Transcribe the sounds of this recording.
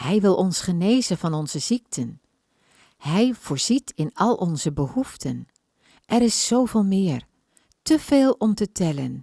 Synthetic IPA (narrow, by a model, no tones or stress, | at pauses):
hɛjʋɪlˠʔɔnsχəneːzənvɑnɔnz̥əzik̚tʰən | hɛjv̥ʊːɹz̥itʰɪnɑlˠʔɔnzəbəhuftʰən | ʔɛɾɪsːowvɪːlˠmɪːr | təv̥eːlˠɔmtətɛlən